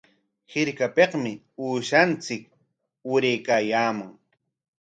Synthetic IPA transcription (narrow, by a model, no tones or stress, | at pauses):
hɪɾkapeqmɪ | uːʃant͡sɪk̚ | ʊɾejkaːjaːmaŋ